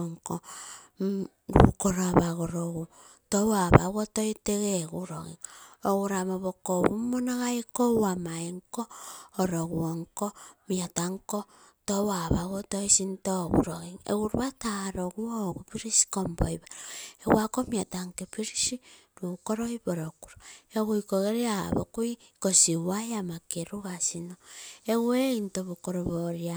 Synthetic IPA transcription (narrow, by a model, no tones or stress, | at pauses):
ŋko | ɾṵkoɾoaβaɣoɾoɣu | towaβa̰ɣotoiteɣeɣuɾo̰ɣḭŋoɣuɾamoβokoβumonaɣaikowamaiŋkoːɾoɣuoŋkomjataŋko | towaβaɣotoisintoβṵɾoɣeŋḛɣuɾβataɾoɣwoɣupiɾisi̥kombo̰iβaɾeɣwakomjataŋkepiɾisiɾukoɾoiβoɾoku̥ɾoeɣuikoɣeɾea̰βokui | kosiwajamakeɾuɣasinoeɣweintoβukoɾoβoɾja